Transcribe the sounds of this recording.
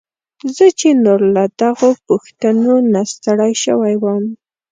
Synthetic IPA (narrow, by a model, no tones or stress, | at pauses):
zət͡ʃenoɾlad̪aɣopʊxt̪anonast̪aɽajʃəwajwam